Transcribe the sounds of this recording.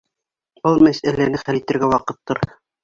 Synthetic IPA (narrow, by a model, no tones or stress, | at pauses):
olˠmæsælænɘχælit̪ɘ̆ɾɡæwɑqɤ̆t̪ːɤɾ